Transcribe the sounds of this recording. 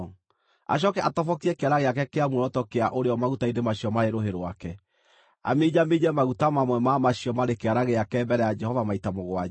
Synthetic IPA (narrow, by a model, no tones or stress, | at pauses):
a̰ɕ̬ɔkɛʔatɔfɔkiɛkeaɾaɣeak̬ɛkeamuɾɔtɔkeaʔoɾeɔmaɣutaindemaɕiɔmaɾeɾoɦeɾowakɛ | a̰med͡ʑamed͡ʑɛmaɣutamamwɛmamaɕiɔmaɾekeaɾaɣeakɛmbɛɾɛjad͡ʒɛhɔvamaitamoɣoa